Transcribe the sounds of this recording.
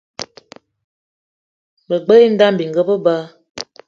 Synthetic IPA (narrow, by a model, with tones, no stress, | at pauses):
bə˨ɡ͡bə˦i˦n̩˦da˦m˨bi˨ŋ˨ɡə˦bə˦ba˦